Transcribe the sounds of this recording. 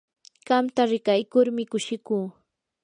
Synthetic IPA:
ɢ̥ɑmt̪aɾɪkajkʊɾmɪkʊʃɪkuː

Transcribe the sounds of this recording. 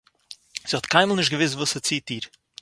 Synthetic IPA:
z̥iːhɔtkʰaɪməl̩ˠnɪʃtɡəvɪs̬tvuːsət͡siːtiːɾ

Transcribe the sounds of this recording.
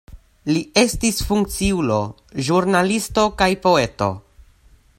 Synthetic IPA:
lie̞stisfuŋk̚t͡siulo̞̰ | ʒuɾnalisto̞kajpo̞e̞to̞̰

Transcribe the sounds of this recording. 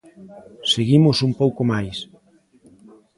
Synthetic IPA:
seɣimʊsumpowkomajs

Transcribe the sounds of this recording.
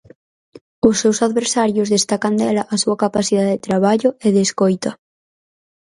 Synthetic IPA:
ʊsːewsaðβeɾsaɾjozðest̪akand̪ɛlɐʔasuakapasiðaðet̪ɾaβ̞aʎʊʔeðeskojt̪ɐ

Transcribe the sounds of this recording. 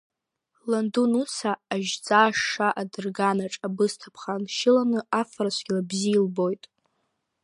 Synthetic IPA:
landunut͡sʰaːʒd͡zaːʂaʔadɨrɡanaʈ͡ʂʼabɨstʰapʰχanʃɪlanɨafraʃʷʰɡʲlabziːlbo̞jtʼ

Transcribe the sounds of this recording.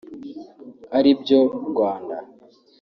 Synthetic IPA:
aɾibjoɾɡwaːnda

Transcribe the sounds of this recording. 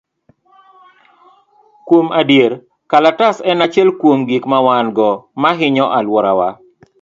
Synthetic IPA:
kwomadjeɾ | kalatasɛnat͡ʃɛlkwomɡikmawanɡɔmaɦɪɲɔʔalwɔɾa̰wa̰

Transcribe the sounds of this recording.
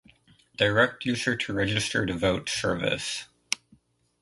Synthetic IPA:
d̥əɹɛk̚tʰjʉzə˞ɾʰɨɹɛd͡ʒɨstə˞ðɨvoʊtsɜ˞vɨ̰s

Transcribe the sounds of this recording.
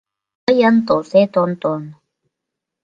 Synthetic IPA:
əjənt̪oset̪ont̪on

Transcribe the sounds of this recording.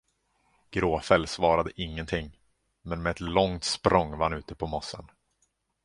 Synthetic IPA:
ɡ̥ɾoːfɛlsvɑːɾad̪əʔɪŋːənt̪ʰɪŋː | mɛnmɛːɛt̪lɔŋt̪spɾɔŋvahanʉ̟ːt̪əpʰɔmɔsːə̰n

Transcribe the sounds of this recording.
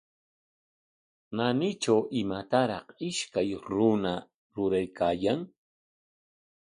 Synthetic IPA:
nanɪt͡ʃawʔɪmat̪aɾɑχɪʃkajɾʊna | ɾʊɾajkʰaːjaŋ

